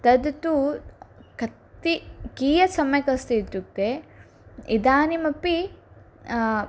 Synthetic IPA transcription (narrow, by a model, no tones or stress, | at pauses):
t̪ɐd̪t̪u | kɐt̪ːikiːjɐsɐmjɐkɐst̪iit̪ːuk̚t̪e | id̪aːnimɐpːi